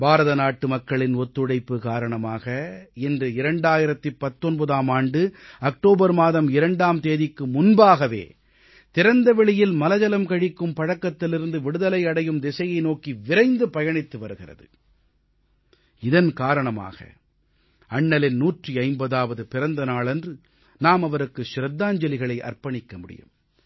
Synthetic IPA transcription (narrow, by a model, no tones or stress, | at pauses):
baːɾɐðɐnaːʈːɯmɐkːɐɭɪnɔt̪ːɯɽɐɪpːɯkaːɾɐɳɐmaːɣɐɛndrɯɪɾɐɳɖaːjɪɾɐt̪ːɯpːɐt̪ːɔnbɐðaːmaːɳɖɯɐk̚ʈoːbɐɾmaːðɐmɪɾɐɳɖaːmt̪eːðɪkːɯmʊnbaːɣɐʋḛː | t̪ɪɾɐnd̪ɐʋɛɭɪjɪlmɐlɐd͡ʒɐlɐmkɐɻɪkːɯmpɐɻɐkːɐt̪ːɪlɪɾɯnd̪ɯʋɪɽɯðɐlɐɪɐɽɐjɯmd̪ɛsɐjɐɪnoːkiʋɪɾɐɪnd̪ɯpɐjɐɳɪt̪ːɯʋɐɾɯɣɪrɐ̰ðɯ̰ | ɪðɐnkaːɾɐɳɐma̰ːɣɐ̰ | ɐɳːɐlɪnnuːʈriɐɪmbɐðaːʋɐðɯpɪɾɐnd̪ɐnaːɭɛndrɯ | naːmɐʋɐɾɯkːɯʃɪɾɐd̪ːaːɲd͡ʒɐlɪɣɐɭɐɪʔɐ̰rpɐɳɪkːɐmʊɽɪ̰jɯ̰m